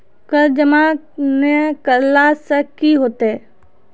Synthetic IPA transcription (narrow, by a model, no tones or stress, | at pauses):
kəɾd͡ʒəma | nekəlːaːsəkiɦoːt̪eɛ